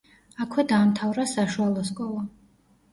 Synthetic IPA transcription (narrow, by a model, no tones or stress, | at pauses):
akʰwɛd̪aːmt̪ʰavɾasaʃualˠɔskʼɔlˠa